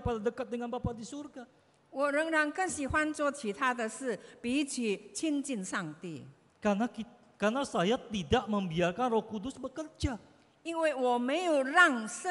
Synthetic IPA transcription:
əpadadəkat̪̚dəŋanpapadisurɡa | wɔɾəŋɾaŋkəsihwant͡ʃwɔt͡ɕʰit̪ʰad̪əs̩pit͡ɕʰit͡ɕʰint͡ɕinsaŋt̪ḭ | kanaki | karnasajat̪idaʔməmbiarkanrɔhkudʊsbəkərd͡ʒa | inwewɔmejoɾaŋsə

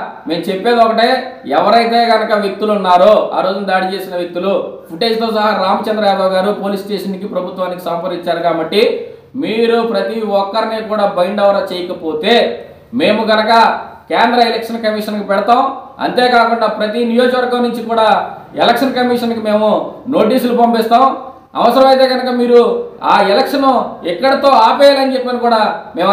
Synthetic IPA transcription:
me̞ːmt͡ʃepːe̞ːd̪ɔkɐʈeːɛʋɐɾɐjt̪eːɡɐnɐkɐʋek̚t̪ːulunːaːɾoa̰ːɾo̞ːd͡ʒund̪aːɽit͡ʃe̞ːsinɐʋjek̚t̪ːulupʰuʈe̞ːd͡ʒloːsɐɦaɾaːmɐt͡ʃɐnd̪ɾɐjaːd̪ɐːɡaːɾupo̞ːlisʈe̞ːʂɐnkipɾɐbʱut̪ʋaːnikisɐmpɐɾiɲt͡ʃaːɾukaːbɐʈːi | miːɾupɾɐt̪iɔkːɐɾinikuːɽaːbɐjɳɖɐʋɐɾaːt͡ʃeːjɐkɐpo̞ːt̪e̞ː | me̞ːmuɡɐnɐkɐkɛːnd̪ɾɐelekʂɐnkɐmiːʂɐnkipɛɽɐt̪aːm | ɐ̰nt̪e̞ːkaːkuɳɖaːpɾɐt̪inijo̞ːd͡ʒɐkʋɐɾɡɐmnːuɲt͡ʃikuːɽaːɛlɐkʂɐnkɐmiʂɐnkime̞ːmuno̞ːʈiːslupɐmpist̪aːm | ɐ̰ʋɐsɐɾɐmɐjt̪e̞ːɡɐnɐkɐmiːɾuaːɛlɐkʂɐnuikːɐɽɐt̪o̞ːaːpɛjaːlɐnt͡ʃepːɐnikuːɽaːmeːm

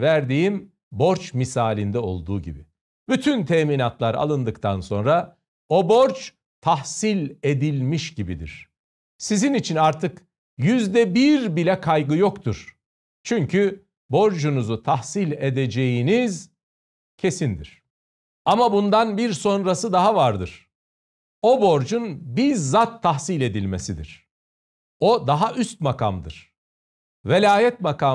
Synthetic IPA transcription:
væɾd̪iːim | bo̞ɾt͡ʃmisaːlʲind̪ɛo̞̰lˠd̪uːɟḭbi | byt̪ʰynt̪ʰeːminat̪lˠaɾa̰lˠɯnd̪ɯkt̪ʰanso̞nɾa | o̞bo̞ɾt͡ʃ | t̪ʰahsilʲe̞d̪ilʲmiʃɟibid̪ḭɾ̥ | sizinit͡ʃʰinaɾt̪ʰɯk | jyzd̪ɛbiɾbilʲɛkʰajɡɯjo̞kt̪ʰuɾ̥ | t͡ʃʰyɲcʰy | bo̞ɾd͡ʒunuzut̪ʰahsilʲed̪ed͡ʒejiniz | cʰe̞sind̪ḭɾ̝̥ | amabund̪anbiɾso̞nɾasɯd̪aɦavaɾd̪ɯɾ̥ | o̞bo̞ɾd͡ʒunbiɾzat̪ʰːaɦsilʲe̞d̪ilʲme̞sid̪ḭɾ̥ | o̞d̪aɦaʔyst̪̚maka̰md̪ɯ̰ɾ̥ | velʲaːjɛt̪maka

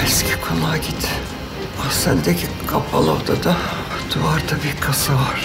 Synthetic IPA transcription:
ɛscʲʰi̥kʰonaɟʲit̪ | asɛnd̪ɛcʰi | kʰapʰa̰lˠo̰ɾd̪ad̪a | d̪̥uvaɾd̪abikʰasavaɾ̥

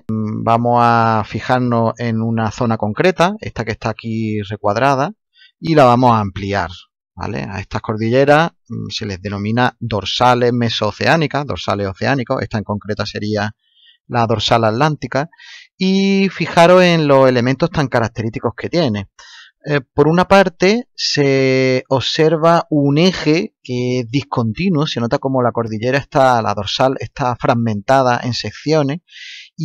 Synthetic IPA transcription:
bamo̞safixaɾno̞se̞nunaθo̞nako̞ŋkɾe̞t̪ae̞̰st̪ake̞st̪akire̞kwaðɾað̞a | ilaβ̞amo̞saːmpliaɾ | ba̰le̞̰a̰e̞̰st̪ako̞ɾðiʎe̞ɾa | se̞le̞zðe̞nõ̞mĩnad̪o̞ɾsale̞ɦme̞so̞θe̞anikaðo̞ɾsa̰le̞so̞θe̞aniko̞eht̪ae̞ŋko̞ŋkɾe̞t̪ase̞ɾia | laðo̞ɾsalaːt̪lant̪ika | ifixaɾo̞ɦe̞nlo̞se̞le̞mẽnt̪o̞ht̪aŋkaɾak̚t̪e̞ɾit̪iko̞hke̞t̪je̞ne̞ | po̞ɾunapaɾt̪e̞seo̞se̞ɾβaune̞xe̞keezðihko̞nt̪inwose̞no̞t̪ako̞mo̞lako̞ɾðiʎe̞ɾaeht̪ala̰ðo̞ɾsale̞̰hst̪afɾaɣmẽ̞nt̪að̞aʔe̞nse̞k̚θjo̞ne̞i

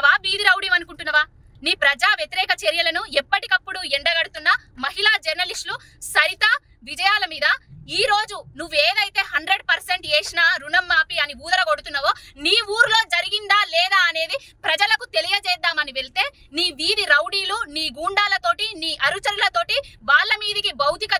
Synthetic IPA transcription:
ʋaːʋiːd̪iɾɐwɽiːmɐnukuɳʈunːɐʋaː | niːpɾɐd͡ʒaːʋjet̪iɾɛːkɐt͡ʃeɾjɐlɐnuɛpːɐʈikɐpːuɽuɛɳɖɐɡɐɽut̪unːɐmɐɦilaːd͡ʒɐɾnɐlisʈlu | sɐɾit̪ɐ | ʋid͡ʒɐjaːlɐmiːd̪ɐiːɾo̞ːd͡ʒunuʋːueːd̪ɐjt̪e̞ːɦɐɳɖɾe̞ɖpɐɾseɳʈeːʂnaːɾunɐmːaːpiɐniuːd̪ɐɾɐko̞ɽut̪unːɐʋoːniːuːɾulo̞ːd͡ʒɐɾiɡind̪aːlɛːd̪aːɐne̞ːd̪ipɾɐd͡ʒɐlɐkut̪e̞lijɐd͡ʒɛːd̪ːaːmɐniʋe̞ɭt̪e̞ː | niːʋiːd̪iɾɐwɽiːluniːɡuːɳɖaːlɐt̪o̞ːʈiniːʔɐɾut͡ʃɐɾulɐt̪o̞ːʈiʋaːɭːɐmiːd̪ikibɐwt̪ikɐ

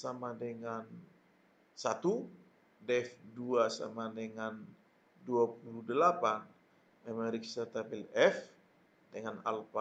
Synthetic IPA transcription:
samadəŋan | sat̪u | dɛfduasa̰madəŋan | duapuludəlapan | mɛmaɾiksat̪abɛlɛf | dəŋana̰lpa

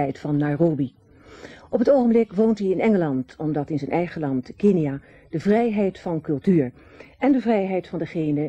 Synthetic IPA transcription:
ɛjtfɑnːɑjroːbi | ʔɔpətowχəmblɪkʋowntiɪnɛŋəlɑntɔmdɑtɪnzənʔɛjχəlɑntkeniaː | d̥əvrɛjɦɛjtfɑnkɵlˠtyːɹ | ɛndəvrɛjɦɛjtfɑndəχejnə

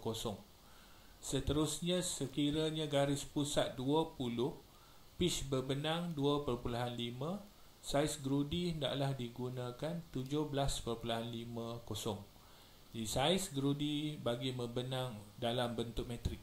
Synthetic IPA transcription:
kosɔŋ | sət̪əɾusɲãsəkiɾaɲãɡaɾɪspusat̪̚duəpulʊh | pɪsbərbənãŋduəpərpulaɦanlimã | saisɡɾudiənda̰ʔlahdiɡunãkant̪ud͡ʒʊhbəlaspərpulaɦanlimãkosɔŋ | d͡ʒadisaɪsɡɾudibaɡimə̃bənãŋdalambənt̪ʊk̚mɛ̃t̪ɾɪk̚

